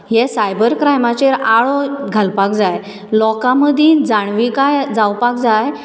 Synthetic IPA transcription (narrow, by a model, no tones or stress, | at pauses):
jɛsajbəɾkɾajmat͡ɕeɾaɭɔɡʱalpak̚d͡zaj | lɔkaməd̪ʱĩd͡zaɳ̃ʋikajd͡zawpak̚d͡zaj